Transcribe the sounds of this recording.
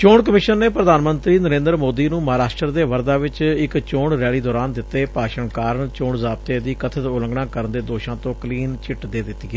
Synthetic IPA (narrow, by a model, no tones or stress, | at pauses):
t͡ʃoːɳk̬əmɪʃənːeːpɾəd̪aːnmənt̪ɾiːnəɾẽːnd̪əɾmoːd̪iːnũːməɦaːɾaːʃʈɾəɾd̪eːʋəɾd̪aːʋɪt͡ʃɪkt͡ʃoːɳɾɛːɭiːd̪ɔːɾaːnd̪ɪt̪ːeːpaːʃəɳkaːɾəɳt͡ʃoːɳzaːb̚t̪eːd̪iːkət̪ʰət̪ʊlə̃ŋɡɽãːkəɾənd̪eːd̪oːʃãːt̪õːkəliːnt͡ʃɪʈd̪eːd̪ɪt̪ːiːɡɛː